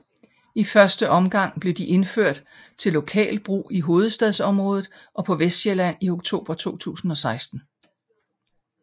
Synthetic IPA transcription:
ifɶɐsd̥əʔɒ̽mɡ̥ɑ̈ŋ̰b̥le̝d̥iʔe̝nføɐ̰d̥ | t͡sʰe̝lːo̝kʰɛ̰ːld̥̚b̥ʁṵːiɦo̝ːð̞̩ˠsd̥ɛðˠsɒ̽mʁɔ̽ːð̞ˠð̩ˠʔɒ̽pʰɒ̽ʋesd̥ɕelæn̰io̝ɡ̥t͡sʰo̝̰ːb̥ɐt͡sʰo̝̰ːt͡sʰṵːsn̩ɒ̽sɑ̈ɪsd̥n̩

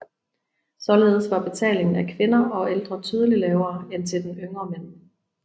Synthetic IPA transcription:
sɒ̽le̝ːð̞ˠsʋɑ̈b̥e̝t͡sʰɛ̰ːle̝ŋn̩ækʰʋe̝nɐɒ̽eld̥ʁɐt͡sʰyːð̞ˠəlilɛːʊɐːent͡sʰe̝d̥enøŋɐmen̰

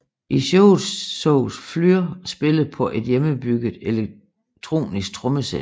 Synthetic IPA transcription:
ʔiɕɔʊsɔʊflyɐsb̥e̝ləð̩ˠpʰɒ̽ʔe̝d̥jeməbyɡ̥ð̩ˠele | t͡sʰʁo̝̰ːnisɡ̥̚t͡sʰʁɔ̽məse

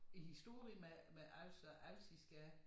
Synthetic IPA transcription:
ihisd̥o̝ɐ̰ʁimemeʔælsɒʔælsisɡ̥æ

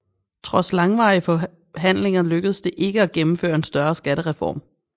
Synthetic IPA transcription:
t͡sʰʁɒ̽slɑ̈ŋʋɑ̈ːɪəfɒ̽ | ɦæn̰le̝ŋɐløɡ̥əðˠəsd̥e̝ʔe̝ɡ̥əæɡ̥emm̩fø̰ːɐe̝nsd̥ɶɐsɡ̥æɾ̥əʁɛfɒ̰ːm

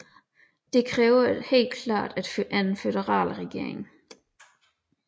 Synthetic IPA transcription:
d̥e̝kʰʁɛːʊɐhe̝̰ːld̥kʰlɑ̰̈ːd̥æd̥føʔænnfeðəʁɑ̰̈ːlʁɛɡ̥e̝̰ːɐ̰eŋ

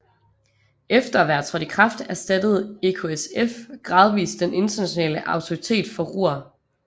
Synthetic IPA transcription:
efd̥ɐʋæɐt͡sʰʁɒd̥ikʰʁɑ̈fd̥æɐsd̥æd̥əð̞̩ˠe̝kʰo̝esefɡ̥ʁɑ̈ːð̞ˠʋḭːsd̥enʔe̝nd̥ɐnæɕo̝nɛ̰ːləʔɑ̈ʊt͡sʰo̝ʁit͡sʰe̝̰ːd̥fɒ̽ʁṵɐ

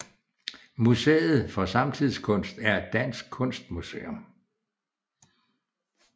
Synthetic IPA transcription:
musḛːð̩ˠfɒ̽sɑ̈mt͡sʰið̰ˠskʰɔ̽n̰sd̥æɐ̥d̥æn̰sɡ̥̚kʰɔ̽n̰sd̥̚musḛːom

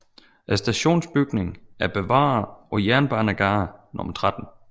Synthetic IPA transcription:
ʔæsd̥æɕo̝̰ːnsb̥yɡ̥ne̝ŋæɐb̥e̝ʋɑ̰̈ːɒ̽jæɐnb̥ɑ̈ːnæɡ̥ɑ̈ːnʔɔ̽mɐt͡sʰʁad̥n̩

